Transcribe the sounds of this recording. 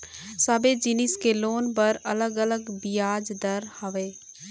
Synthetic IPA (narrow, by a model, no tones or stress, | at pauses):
sɐbed͡ʒɪnɪskeloːnpɐɾɐ̰ləɡələɡbijaːd͡ʒd̪əɾhəʋeː